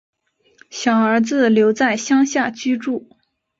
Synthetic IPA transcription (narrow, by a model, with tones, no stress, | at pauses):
ɕjɑ˨˩ʊə˞˧˥t͡sɹ̩˥˧ljo˧˥ʊt͡sa˥˩ɪɕjɑ˥ŋɕja˥˩t͡ɕy˥ʈ͡ʂu˥˩